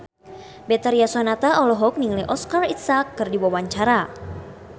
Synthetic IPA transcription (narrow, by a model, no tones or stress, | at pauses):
bɛt̪aɾiasɔnat̪aʔɔlɔɦɔk̚niŋliʔɔskarit̪sakːɨrdiwawaɲt͡ʃaɾa